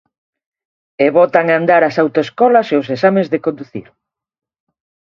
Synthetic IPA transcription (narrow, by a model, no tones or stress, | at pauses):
eβɔt̪aŋand̪aɾasawt̪oeskɔlaseosesamẽzðekõnd̪uθḭɾ